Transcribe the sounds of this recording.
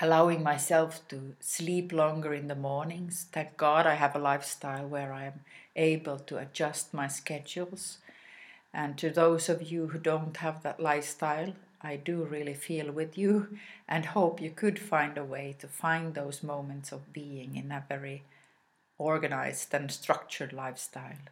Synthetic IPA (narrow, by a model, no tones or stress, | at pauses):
ʔəlaʊɪ̃ŋmaɪsɛlˠftʰɨsliplɔ̃ŋɡə˞ɨ̃nðəmɔɹnɪ̃ŋz̥θæ̃ŋk̚ɡ̥ɑɾaɪɨvəlaɪfstaɪlˠwə˞aɪɨ̃meɪbəl̩ˠtʰɨɨ̰d͡ʒʌst̚maɪskɛd͡ʒul̩ˠz̥ | ʔɨ̃ntʰɨðoʊzʌvjɨɦudõʊ̃nthəvðə̰ʔˡlaɪfstaɪlˠ | ʔaɪdɨɹɪlˠifilˠwɪðjʉʔɨ̃nhoʊpjɨkʰɨdfãɪ̃ndəweɪɾɨfãɪ̃nðoʊzmõʊ̃mɨ̃ntsʌvbiɪ̃ŋɨ̃nðɨtvɛɹi | ɔɹɡɨnaɪz̥dɨ̃nstɹ̥ʌk̚t͡ʃə˞dˡlaɪfstaɪlˠ